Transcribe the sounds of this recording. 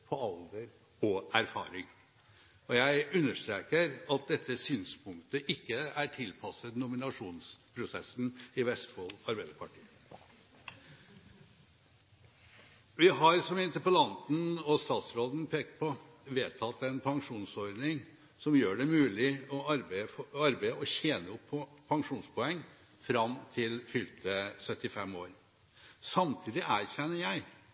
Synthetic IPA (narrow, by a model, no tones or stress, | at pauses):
pʰɔɑld̪əɾ | ɔʔæɾfɑ̰ːɾɪŋ | ɔjæɪʉnːəʂt̪ɾeːkəɾɑt̪̚d̪ɛt̪ːəsyːnspʰʊŋkt̪əʔɪkːəæɾʈʰɪlpʰɑsət̪nʊmɪnɑʂuːnspʰɾʊsɛ̰sn̩ɪʋɛst̪foːlɑɾbæɪd̪əpʰɑʈʰiːə | ʋɪɦɑɾsɔmɪnt̪əpəlɑnt̪n̩ɔst̪ɑːt̪sɾoːd̪n̩pʰeːk̚t̪̚pʰɔ | ʋeːt̪ʰɑt̪ːɛnpʰɑŋʂuːnsɔɾd̪nɪŋ | sɔmjøːɖɛmʉːlɪɔɑɾbɑɾbæɪɔçeːnəʊpʰːɔpʰɑŋʂuːnspʰɔɛŋː | fɾɑmt̪ʰɪlfʏlt̪əsœt̪ːɪfɛmːoːɾ | sɑmt̪ʰiːd̪ɪʔæːɾçɛnːəjæɪ